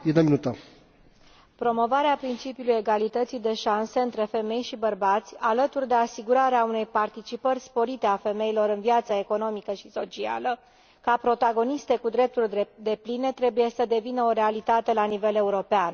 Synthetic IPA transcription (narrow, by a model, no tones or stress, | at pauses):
jed̪əminut̪ə | pɾo̞mo̞vaɾeapɾint͡ʃipiuluje̞ɡalit̪ət̪sid̪e̞ʃanseɨnt̪ɾe̞fe̞me̞jʃibərbat̪sʲalət̪urʲd̪e̞asiɡuɾaɾeaune̞jpart̪it͡ʃipərʲspo̞ɾit̪e̞afe̞me̞ilo̞ɾɨnviat̪səe̞ko̞no̞mikəʃi̥so̞t͡ʃia̰lə | kapɾo̞t̪aɡo̞nist̪e̞kud̪ɾe̞p̚t̪urʲd̪e̞pline̞t̪ɾe̞buje̞səd̪e̞vinəo̞ɾe̞alit̪at̪e̞lanive̞le̞uɾo̞pean